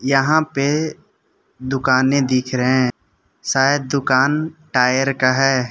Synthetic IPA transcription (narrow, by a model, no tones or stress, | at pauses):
jəɦãpe | d̪ʊkaːnẽd̪ɪkʰɾəɦɛ̃ | saːjəd̪̚d̪ʊkaːnʈaːjəɾkaɦɛː